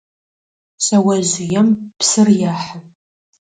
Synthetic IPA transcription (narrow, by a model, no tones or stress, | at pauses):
sɐwɐʑɪjɛmpsɨrjaːħan